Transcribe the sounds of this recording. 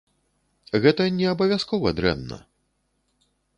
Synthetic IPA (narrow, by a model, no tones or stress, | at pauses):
ɣɛt̪ɐnʲɛɐbɐvʲjaskɔvɐd̪ɾɛ̰mnɐ̰